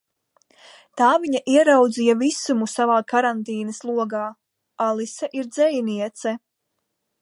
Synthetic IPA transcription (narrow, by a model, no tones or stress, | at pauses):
t̪aːviɲaʔiɛɾawd̪zijɐvisumusavaːkaɾant̪iːnɐslˠuɔɡaː | alˠisaʔiɾd̪zɛjniɛt̪sɛ